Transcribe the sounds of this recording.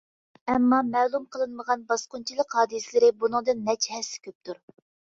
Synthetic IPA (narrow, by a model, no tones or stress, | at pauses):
ɛmːɑmɛːlˠumqʰəlˠɨnməʁɑnbɑsqʊnt͡ʃʰilˠəqɦɑːd̪ɨsɪlɪɾɪbunɨŋd̪ɨnːɛt͡ʃʰɛhɛsːɪ̥kʲʰøp̚t̪ʰuɾ